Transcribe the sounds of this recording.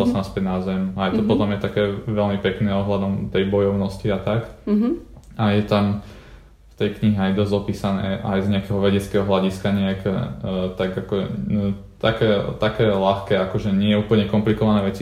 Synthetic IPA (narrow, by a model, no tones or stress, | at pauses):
alsanaspɛɟnazɛmajt̪ɔpɔtt̪ɔmjɛt̪akɛːʋɛlmipɛknɛɔɦlad̪ɔmt̪ɛjbɔjɔʊnɔsciat̪ak | ajɛt̪am | ft̪ɛjkɲiɦɛajd̪ɔzɔpiːsanɛ̰ʔajzɲɛakɛɦɔʋɛɟɛt͡skɛɦɔɦlaɟiskaɲɛakɛt̪aɡakɔ̰ | t̪akɛːt̪akɛːlaxkɛakɔʒɛɲɪɛjɛuːpl̩ɲɛkɔmplikɔʋanɛːʋɛt͡si